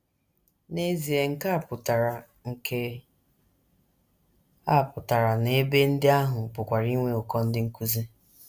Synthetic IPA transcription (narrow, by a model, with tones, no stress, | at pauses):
ne˦zi˨e˨ŋ̩˦ka˦˨pʊ˨ta˨ɾa˨ | ŋ̩˨ke˦ | a˦˨pʊ˨ta˨ɾa˨ne˦be˦n̩˦dɪ˦a˦ɦʊ˨pʊ˨kʷa˨ɾi˦ŋʷe˦ʊ˨kɔ˦n̩˦dɪ˦ŋ̩˦ku˦ze˦